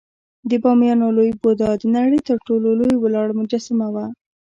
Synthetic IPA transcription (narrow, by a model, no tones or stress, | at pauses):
d̪əbɑmjɑnolojbod̪ɑd̪naɽit̪əɾʈololojwlɑɽmʊd͡ʒasamawa